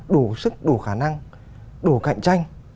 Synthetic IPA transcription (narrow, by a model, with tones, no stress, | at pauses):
ɗo˨˧˩sɨ˦˥k̚ɗo˧˩xaː˧˩na˧ŋ | ɗo˧˩˦ka̰˧˨jŋ̟t͡ɕa˧jŋ̟